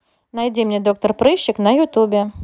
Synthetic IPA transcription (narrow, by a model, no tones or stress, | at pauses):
najd͡zʲimnʲɛd̪ɔk̚t̪ɐrpɾɨɕːɪknɐjut̪ubʲɛ